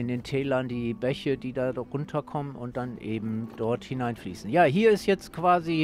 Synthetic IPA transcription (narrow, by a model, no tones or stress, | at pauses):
ɪndeːntʰɛːlɐndiːbɛçədiːdaːʁʊntʰɐkʰɔmənʊ̰nt̚d̥anʔeːbm̩d̥ɔɐthɪnaɪnflḭːsn̩jaːɦiːɐɪstjɛt͡stkv̥aːzi